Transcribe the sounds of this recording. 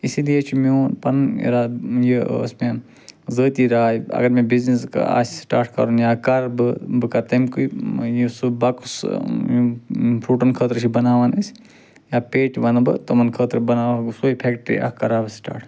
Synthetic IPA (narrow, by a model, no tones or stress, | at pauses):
isilijet͡ʃʰimoːnpɐnḭɾaːjḭsme | zəːt̪iːɾaːiɐ̰ɡɐɾmẽːbizniska̰ːssʈaːɾʈʰkɐ̰ɾunjaːkɐɾbɨbɨkat̪ɐmkuijisubɐkusjpʰɾuːʈɐnkʰəːt̪ɾt͡ʃʰibɐnaːʋɐnɐs | jaːpeːʈʋɐnbɨ̰t̪omɐnkʰəːt̪ɾbɐnaːʋsoːipʰekʈɾḭɐ̰kɐɾaːbɨsʈa̰ːʈʰ